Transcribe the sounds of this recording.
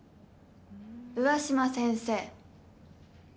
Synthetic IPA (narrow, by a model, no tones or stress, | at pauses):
ɯ̟βaɕimasẽɰ̃seː